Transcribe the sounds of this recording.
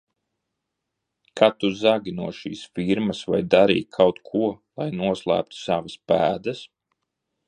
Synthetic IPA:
kʰat̪uzaɡʲinuɔʃḭːsfiɾmɐsva̰jd̪aɾḭːkʰawt̪kʰuɔlˠajnuɔslˠæ̰ːp̚t̪u̥savaspæːd̪ɐs

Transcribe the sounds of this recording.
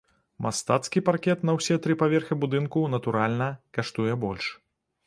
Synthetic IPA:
mast̪at̪skʲiparkʲɛt̪nɐwsʲɛt̪ɾɨpavʲɛrxɨbud̪ɨnkunɐt̪uɾalʲnɐkaʂt̪ujɛbɔlʲʂ

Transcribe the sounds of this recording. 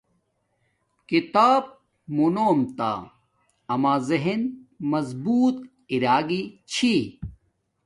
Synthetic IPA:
kit̪aːb̚ | munoːmt̪a̰ː | ɐmaːzɐɦinmɐzbuːt̪ | iɾaːɡit͡ɕʰi

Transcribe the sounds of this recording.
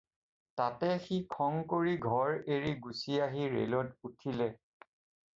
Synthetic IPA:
tatɛxikʰɔŋkoɹiɡʱɔɹeɹiɡusiaɦiɹḛlɔtutʰilɛ

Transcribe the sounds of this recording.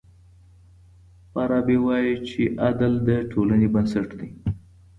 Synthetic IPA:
pɑɾɑbewɑjit͡ʃeʔad̪ald̪əʈʰolanebansaʈd̪i

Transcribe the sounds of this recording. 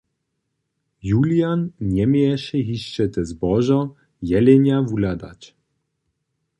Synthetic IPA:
julijanɲɛmɛjɛʃɛɦiʃt͡ʃɛt̪ɛzbɔʒɔ | jɛlɛnjavulad̪a̰t͡ɕ

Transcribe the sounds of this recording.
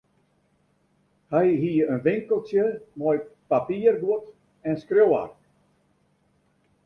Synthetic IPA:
hɛjɦiəənʋɪŋkəlˠsjəmɔjpapiːərɡuət | ɛnskrowa̰rk

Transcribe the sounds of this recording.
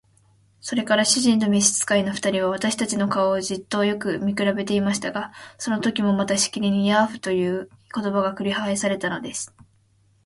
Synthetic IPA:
so̞ɾe̞kaɾaɕiʑĩnd̪o̞mʲiɕi̥t͡sɨ̥kaino̞ɸɯ̟̥t̪aɾʲiβ̞aβ̞at̪aɕi̥t̪at͡ɕino̞kaoːʑit̪ːo̞ːjo̞kɯ̟mʲikɯ̟ɾabe̞t̪e̞imaɕi̥t̪aɡaso̞no̞t̪o̞kʲimo̞mat̪aɕi̥kʲiɾʲiɲ̟ijaɸɯ̟̥t̪o̞jɯ̟ːko̞t̪o̞baɡakɯ̟ɾʲihaesaɾe̞t̪ano̞d̪e̞sɨ̥

